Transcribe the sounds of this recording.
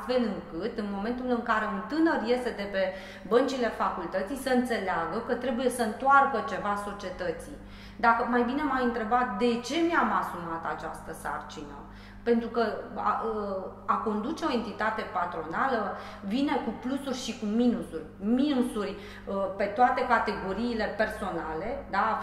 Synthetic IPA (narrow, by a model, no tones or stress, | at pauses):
t̪fe̞lɨŋkɨt̪ɨnmo̞me̞nt̪ulɨŋkaɾe̞unt̪ɨnərje̞st̪e̞d̪e̞pe̞ | bənt͡ʃile̞fakult̪ət̪sijsəɨnt̪se̞leaɡəkət̪ɾe̞buje̞səɨnt̪oarkət͡ʃe̞vaso̞t͡ʃie̞t̪ət̪si | d̪akəmajbinemajɨnt̪ɾe̞bat̪̚d̪e̞t͡ʃe̞meamasumat̪at͡ʃa̰st̪əsa̰rt͡ʃinə̰ | pe̞nt̪ɾukəa̰ | ako̞nd̪ut͡ʃe̞o̞e̞nt̪it̪at̪e̞pat̪ɾo̞nalə | vine̞kuplusurʲʃikuminusurʲminusurʲ | pe̞t̪oat̪e̞kat̪e̞ɡo̞ɾiːle̞pe̞rso̞nale̞d̪a